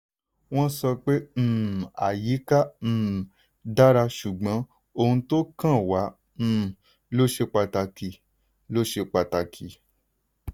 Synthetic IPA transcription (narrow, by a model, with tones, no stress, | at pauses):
w̃ɔ̃˦sɔ˧k͡pẽ˦˨a̰˨ji˨˦ka˦m̩̃ː˦˨ | da˦ɾa˧ʃu˨ɡ͡bɔ̃˨˦ | o˧hũ˧to˦kã˦˨wã˨˦˨ | lo˦ʃe˧k͡pa˧ta˧ki˨ | lo˦ʃe˧k͡pa˨ta˧˨kʰi˨